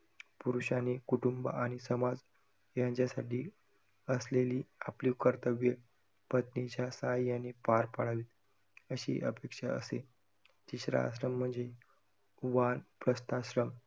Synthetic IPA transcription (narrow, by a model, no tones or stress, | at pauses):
puɾuɕanekuʈumbə̰aɽ̃isəmad͡z | jãɲt͡ɕjasaʈiː | əsleliːapliːkəɾt̪əʋjə | pət̪nit͡ɕjasəɦajjanːepaɾpaɽ̤aʋiːt̪ | əɕḭːʔəpekʂaə̰se | t̪iɕɾa̰ɕ̬ɾəm̤ːəɳd͡ze | ʋanpɾəst̪ʰaɕɾəm